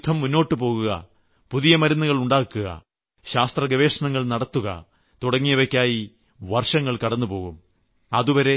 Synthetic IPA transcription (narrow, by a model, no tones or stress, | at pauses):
t̪ʰːɐmːunːo̞ːʈːɨpo̞ːɣuɣɐ̰ | puðijɐmɐɾɐnːɐɣɐɭuɳɖaːkːuɣɐ̰ | ɕaːst̪rɐɡɐʋe̞ːʂɐɳɐŋːɐɭnɐɽɐt̪ːuɣɐ̰ | t̪uɽɐŋːijɐʋɐkʲːaːji | ʋɐrʂɐŋːɐɭkɐɽɐnːupo̞ːɣum | ɐðuʋɐɾe̞